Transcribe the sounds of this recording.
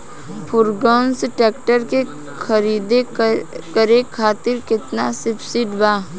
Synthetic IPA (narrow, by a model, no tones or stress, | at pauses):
pʰʊɾɡɔnsʈɛːkʈəɾke | kʰəɾiːd̪ekəɾekʰaːt̪ɪɾkɪt̪nasɪbsɪɖbaː